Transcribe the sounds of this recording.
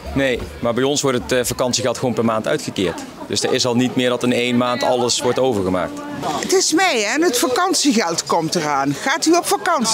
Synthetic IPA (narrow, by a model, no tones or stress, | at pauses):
nejmaːɹbɛjɔnsʋɔɹtətfakɑnsiɣɛlˠtχʋownpɛɹmaːntœ̰ɥtxəkɪ̰ːɹt | d̥ɵsdəɹʔɪsɑlˠnitmɪːɹdɑtnejnmaːntʰɑləsʋɔɹtowvəɹɣəma̰ːk̚t | ətɪsmɛjɛnɦətfakɑnsiɣɛlˠtkɔmtəraːnχaːtyɔpfakɑns